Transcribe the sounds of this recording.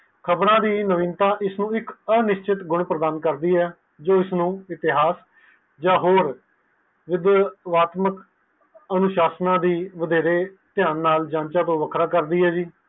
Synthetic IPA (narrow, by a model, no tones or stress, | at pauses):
kʰəbɾãːd̪iːnəʋɪ̃ːnt̪ãːʔɪsnũːɪkənɪʃt͡ʃɪt̪ɡʊɳpɾəd̪aːnkəɾd̪iːɛː | d͡ʒoːɪsnũːɪt̪ɪɦaːs | d͡ʒãːɦoːɾ | ʋɪd̪ʋaːt̪mək | ənʊʃaːsnãːd̪iːʋəd̪eːɾeː | t̪ɪjãːnːaːld͡ʒãːnt͡ʃaːt̪õːʋəkʰɾaːkəɾd̪iːɦɛːd͡ʒiː